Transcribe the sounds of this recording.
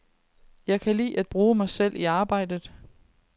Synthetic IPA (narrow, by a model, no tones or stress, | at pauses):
jɑ̈ɪkʰælḭːʔæd̥̚b̥ʁuːmɑ̈ɪsel̰iɑ̈ːb̥ɑ̈ɪ̰d̥əð̩ˠ